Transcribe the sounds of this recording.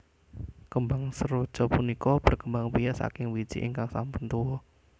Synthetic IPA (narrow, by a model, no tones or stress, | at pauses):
kəmbaŋsəɾo̥t͡ʃɔpunikɔb̥ərkəmbaŋbijaʔsa̰kɪŋwi̥d͡ʒ̥ḭʔḭŋkaŋsa̰mpʊnt̪uwɔ